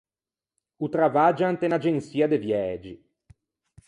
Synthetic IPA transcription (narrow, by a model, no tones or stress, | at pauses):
ut̪ɾavaːd͡ʒant̪enad͡ʒensiːad̪evjɛːd͡ʒi